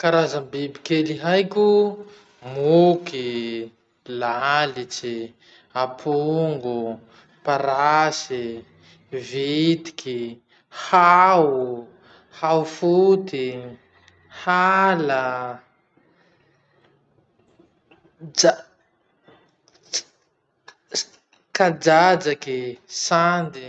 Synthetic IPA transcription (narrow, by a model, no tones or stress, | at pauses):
kaɾazəmbibikeliɦajkʲu | muki | lalit͡ʃi | apʰuŋɡu | paɾasi | vit̪i̥ki | hawu | hawfut̪i | hala | a | kad͡ʒad͡ʒakisand̪i